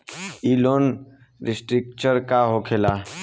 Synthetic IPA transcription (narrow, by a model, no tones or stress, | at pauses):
iloːn | ɾisʈɾik̚t͡ʃəɾkaɦokʰela